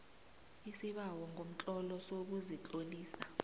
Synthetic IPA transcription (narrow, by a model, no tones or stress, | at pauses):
isiɓawɔŋʱom̩t͡ɬʼɔlɔsok̬uzit͡ɬʼoliːsa